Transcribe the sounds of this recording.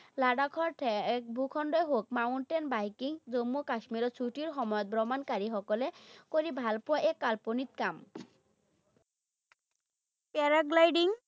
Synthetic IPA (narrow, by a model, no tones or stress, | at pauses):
laɖakʰɔɾʈʰbʱukʰɔɳɖɔeɦok̚mauɳʈenbajkiŋd͡ʑomːukaʃmiɾot͡ɕʰuʈiɾɦɔmɔjɔt̪̚bɾɔmankaɾiɦɔkolekoɾibʱalpuaʔekːalponit̪kam | pɛɾaɡlajɖiŋ